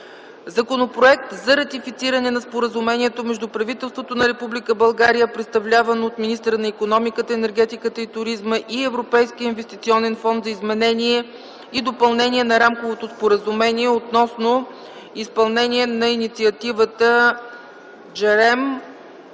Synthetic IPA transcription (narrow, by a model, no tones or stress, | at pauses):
zɐkonopɾoɛk̚t̪zɐɾɐt̪ifit̪siɾənɛnɐspoɾəzumɛniɛt̪omɛʒd̪upɾɐvit̪ɛlˠst̪vot̪onɐɾɛpublʲikəbɐlˠɡaɾijəpɾɛt̪st̪ɐvlʲavɐnoːt̪minist̪əɾənɐikonɔmikət̪əɛnɛɾɡ̟ɛt̪ikət̪əit̪ʊɾizməʔiɛvɾopɛjsk̟iəinvɛst̪it̪siɔnɛnfɔnd̪zɐizmɛnɛnʲiɛ | id̪opɐlˠnɛnʲiɛnɐɾamkovot̪ospoɾəzumɛniɛot̪nɔsno | ispɐlˠnɛniɛnɐinit̪siɐt̪ivət̪ə | d͡ʒɛɾɛm